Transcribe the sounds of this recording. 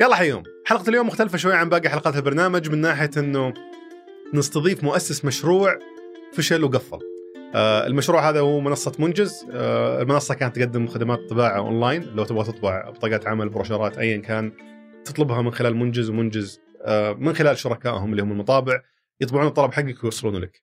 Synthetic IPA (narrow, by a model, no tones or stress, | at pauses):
jɑlːɑːħajo̰ːm | ħɑlqt̪ɪljoːmːʊxt̪alfaʃwajːaʕambaːɡaħalqɑːt̪ɪlbɑɾˤnaːmad͡ʒmɪnːaːħɪjaʔɪnːʊ | nɨst̪ɑðˤiːfmʊʔasːɪsmaʃɾuːʕ | faʃalwɡafːɑ̰l | ɪ̰lmaʃɾˤuːʕhaːðahuːmʊnɑsˤːɑmʊnd͡ʒɪzɪlmʊnɑsˤːɑkaːnat̪ːɡad̪ːɪmːʊxad̪amaːt̪t̪ˤːɨbaːʕawʔo̰ːnlaːjnlawt̪ɪbɣat̪ɨt̪ˤbɑʕbt̪ˤɑːɡaːt̪ʕamalbɪɾɑʃɑɾˤɑːt̪ʔajːankaːnt̪ːɨ̥t̪ˤlʊbɦɑmɪnxɪlaːlmʊnd͡ʒɪzwmʊnd͡ʒɪz | mɪnxɪlaːlʃʊɾˤɑkaːʔhʊmlːiːhʊmɪlmɑt̪ˤɑːbɪʕ | jɨt̪ˤbɪʕuːnt̪ˤːɑlɑbħaɡːakjwɑsˤːluːnla̰k